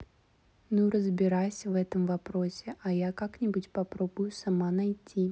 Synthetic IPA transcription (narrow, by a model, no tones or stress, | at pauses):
nuɾəzbʲɪɾajsʲəvɛt̪əmvɐpɾosʲɪʔɐjakaknʲɪbutʲpɐpɾobʊjʊsɐmanɐjtʲːi